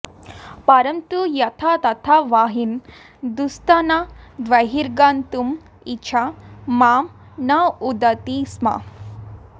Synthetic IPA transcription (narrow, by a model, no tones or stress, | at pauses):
pɐɾɐmt̪ujɐt̪ʰat̪ɐt̪ʰaʋaːɦin | d̪ust̪anad̪ʋɐɦiɾɡaːnt̪um | it͡ʃʰamaːm | naud̪ɐt̪isma̰